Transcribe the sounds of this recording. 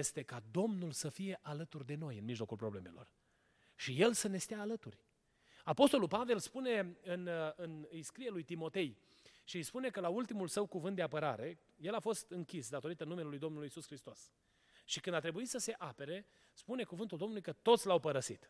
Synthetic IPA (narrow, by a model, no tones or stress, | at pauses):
jest̪e̞kad̪o̞mnulsəfije̞ʔalət̪urd̪e̞no̞jɨnmiʒlo̞kulpɾo̞ble̞me̞̰lo̞̰r | ʃije̞lsəne̞st̪eaːlət̪ṵrʲ | apo̞st̪o̞lulpave̞lspune̞ɨnɨnɨjskɾijelujt̪imo̞t̪e̞j | ʃiɨjspune̞kəlault̪imulsəwkuvɨnt̪d̪eapəɾa̰ɾe̞ | je̞lafo̞st̪ɨŋkʲisd̪at̪o̞ɾit̪ənːumelelujd̪o̞mnulujisusxɾist̪o̞s | ʃikɨnd̪at̪ɾe̞buit̪səse̞ʔape̞ɾe̞ | spune̞kuvɨnt̪uld̪o̞mnulujkət̪o̞t̪sʲlawpəɾəsit̪